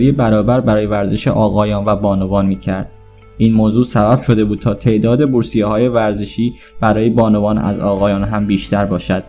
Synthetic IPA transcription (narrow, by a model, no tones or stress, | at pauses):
ɾijebæɾɒːbæɾbæɾɒːje̞væɾzeʃḛʔɒːɣɒːjɒːnvæbɒːnovɒːnmiːcʰæɾd̪̥ | ʔiːnmoːzuːsæbæb̥ʃo̞d̪e̞buːd̪̥̚t̪ʰɒːt̪ʰe̞ʔd̪ɒːd̪eboɾsijehɒːje̞væɾzeʃiː | b̥æɾɒːjebɒːnovɒːnæ̰zɒːɣɒːjɒːnɦæmbiːʃt̪ʰæɾbɒːʃæd̪̥